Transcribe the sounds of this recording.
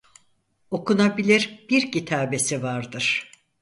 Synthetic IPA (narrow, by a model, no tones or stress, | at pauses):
o̞kunabilʲiɾb̥iɾcit̪ʰaːbe̞sivaɾd̪ɯɾ̥